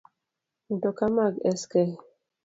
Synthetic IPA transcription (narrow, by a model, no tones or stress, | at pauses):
n̩tɔkamaɡɛskɛ